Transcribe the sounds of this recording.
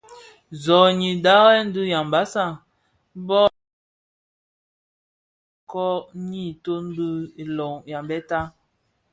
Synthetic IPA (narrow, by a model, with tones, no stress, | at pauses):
zɔ˨ɲi˨da˦ɣɛ˦n̩˦du˦ja˨m˨ba˨˦sa˦˨˦ | bɔ˦ | kɔ˦ɲi˦˨to˦n̩˦du˦i˨lɔ˨ŋja˨mbɛ˦ta˦